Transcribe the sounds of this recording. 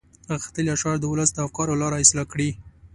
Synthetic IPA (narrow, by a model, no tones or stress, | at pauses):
ɣxt̪əljɑʃɑɾd̪əwʊləsd̪əafkɑɾolɑɾɑɪslɑkɽi